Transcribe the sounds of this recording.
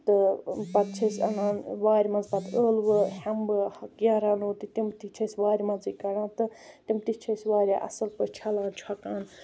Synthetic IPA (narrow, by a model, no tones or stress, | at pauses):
t̪ɨpɐt̪̚t͡ʃʰɐsʲɐnaːnʋaːɾʲmɐnzpɐt̪əːlʋɨhɐmbɨɡʲaːɾaːnoːt̪ɨt̪imt̪it͡ʃʰɐsʲʋaːɾʲmɐnzikɐɽãːt̪ɨt̪imt̪it͡ʃʰɐsʲʋaːɾʲaːʔɐ̰sɨlpət͡ʃʰɐlaːnt͡ʃʰɐkaːn